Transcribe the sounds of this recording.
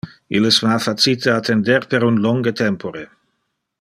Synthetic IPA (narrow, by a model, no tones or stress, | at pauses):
iləsvafat͡sit̪ʰəat̪ʰend̪eɾpeɾunloŋɡət̪ʰɛmpoɾe